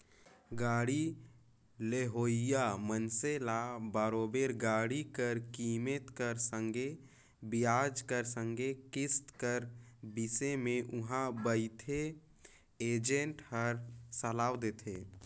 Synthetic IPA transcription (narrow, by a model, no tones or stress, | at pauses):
ɡaːɽi | leɦoːɪjamənselabaːɾoːbeɾɡaːɽikəɾkiːmet̪kəɾsə̃ŋɡe | bɪjaːd͡ʒkəɾsə̃ŋɡekɪst̪kəɾbɪsemẽʔʊɦãbəɪt̪ʰe | eːd͡ʒẽɳʈhəɾsəlaːwd̪eːt̪ʰḛː